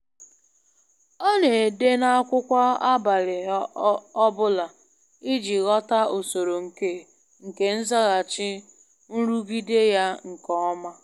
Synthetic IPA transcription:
ɔ˦ne˨de˦na˦a˦kʷʊ˦kʷa˦a˦ba˨ɾɪ˨ | ɔ˦bʊ˦la˨ | i˦d͡ʒi˨ɣɔ˦ta˦o˨so˨ɾo˨ŋ̩˨ke˦ | ŋ̩˨ke˨n̩˦za˦ɣa˨t͡ʃɪ˦ | n̩˦ɾu˦ɡi˦de˦ja˦ŋ̩˨kɔ˦ɔ˦ma˦

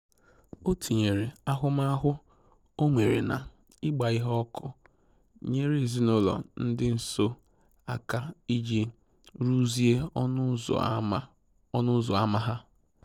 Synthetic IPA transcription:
o˦tʰi˨ɲe˨ɾe˨a˦ɦʊ˦ma˦ɦʊ˦ | o˦ŋʷe˨ɾḛ˨na̰˨ | ɪ˦ɡ͡ba˨ɪ˦ɦɔ˦kʰʊ˦ | ɲe˦ɾe˦˨zi˦nʊ˦lɔ̰˨n̩˦dɪ˦n̩˨so˦ | a˨ka˦i˦d͡ʒi˦ | ɾu˦zi˦ḛ˦˨˦ | nʊ˦zɔ˨a˦ma˦ɦa˦

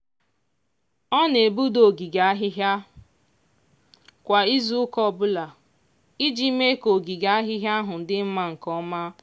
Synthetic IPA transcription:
ɔ˦ne˨bu˦do˨ɡi˨ɡa˨˦a˦ɦɪ˦ɦja˦ | kʷa˨i˦zu˦ʊ˦kɔ˦˨bʊ˦la˨ | i˦d͡ʒi˦me˦ko˨ɡi˨ɡa˦a˦ɦɪ˦ɦja˦ɦʊ˨n̩˨dɪ˦m̩˦ma˦ŋ̩˨kɔ˦ma˦

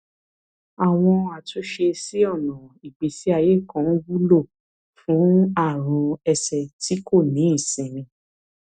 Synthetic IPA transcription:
a˨w̃ɔ̃˧a˨tʰo˨˦ʃe˧si˦ɔ˦˨nɔ̃˨i˨ɡ͡bi˨si˦a˧je˦˨kã˧n̩˦wu˦lo˦˨ | fũ˨˦a˦˨ɾ̃ũ˧ɛ˧sɛ˧ti˦ko˦˨nĩ˨˦i˦˨sĩ˨ɾĩ˧

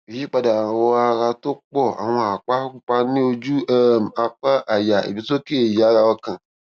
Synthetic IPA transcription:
e˨ji˦k͡pa˨da˨a˨wɔ˦a˨ɣa˨t̪o˦k͡pɔ˦a̰˨w̃ɔ̃˨a˨k͡pa˦ku˦k͡pa˦nĩ˦o˧d͡ʒu˦e˦ma˨k͡pa˦ʔa˨ja˨ḛ˨bi˨so˦ke˦e˨ja˨˦ɣa˨wɔ˦kã˨

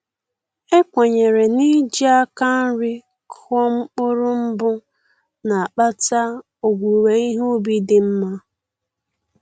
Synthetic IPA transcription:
e˦kʷe˨ɲe˨ɾe˨ni˦d͡ʒi˦a˦ka˦n̩˦ɾɪ˦ | kʰɔ˦ŋ͡m̩˦k͡pʊ˦ɾʊ˦m̩˦bʊ˦ | na˨a˨k͡pa˦ta˦ | o˨ɡʷu˨we˨i˦ɦo˦bi˦dɪ˨m̩˦ma˦

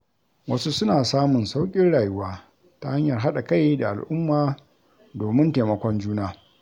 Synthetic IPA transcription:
wɐ˦su˦sʊ˦naː˨saː˦mʊ˨nsa˦wkʲʼɪ˦nɽaː˨jʊ˦waː˦ | ta˦ha˦ɲjɐ˨rɦa˦ɗa˨ka˦jda˨ʔa˨lʔʊ˦mːaː˨ | doː˨mɪ˦nteː˨mɐ˨˦kʷɔ˦nd͡ʒuː˦naː˦

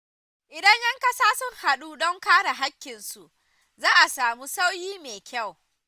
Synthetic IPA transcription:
ʔɪ˨dɐ˦ɲjɐ˦ŋkɐ˦saː˦sʊ˦ŋha˨ɗuː˦dɔ˦ŋkaː˦ɽa˨ɦa˦kʲːɪ˨nsu˨ʔ | zaː˦ʔa˨saː˨mu˦sa˦wjiː˦meː˨kʲa˦˨w

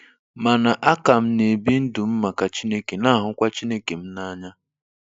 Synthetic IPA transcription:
ma˨na˨ʔa˦ka˨m̩˦ne˨bi˦n̩˦dʊ˨m̩˦ma˨ka˨t͡ʃi˦ne˦ke˨na˦˨ɦʊ˨kʷa˦t͡ʃi˦ne˦ke˨m̩˦na˦ɲa˦

